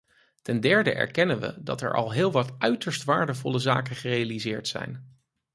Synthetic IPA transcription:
tɛndɛɹdəʔɛ̰ɹkɛnənʋə̰dɑ̰tɛ̰ɹʔɑ̰lˠɦɪːlˠʋɑtœɥtəɹstʋaːɹdəvɔləza̰ːkənχərejalizɪːɹtsɛ̰jn

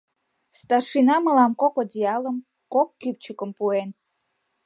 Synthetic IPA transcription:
st̪ɑrʃinɑməlɑmkokodʲiɑləm | kokːyp̚t͡ɕəkəmpuen

